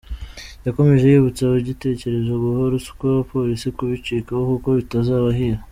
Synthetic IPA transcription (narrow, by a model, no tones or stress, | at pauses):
jako̞me̞ʒe̞jiβut͡saβoɟite̞ːce̞ɾe̞zoɡuhoɾusu̥kwaβapo̞ɾisikuβit͡ʃikahokuko̞βitazaːβaɦiɾa